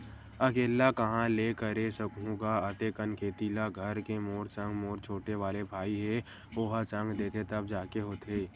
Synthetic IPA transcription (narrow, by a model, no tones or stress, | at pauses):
ɐkeːlakɐɦãleːkəɾesəkɦũɡaɐt̪ekənkʰeːt̪iːlaɡʱəɾkemoːɾsə̃ŋɡmoːɾt͡ʃʰoːʈeʋaːlebʱaːiɦe | oːɦasə̃ŋɡd̪eːt̪et̪ɐb̚d͡ʒaːkeɦoːt̪ʰeː